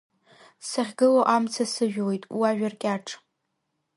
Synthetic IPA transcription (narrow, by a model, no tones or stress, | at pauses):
saʁʲɡɨloʔamt͡sʰasɨʒᶣwojtʼwaʒᶣarkʲʼaʈ͡ʂʰʼ